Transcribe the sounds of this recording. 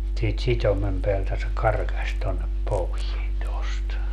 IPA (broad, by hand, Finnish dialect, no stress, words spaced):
siːt sitʲomem peæltæ se kɑrkɑsʲ tonːep poʋien tost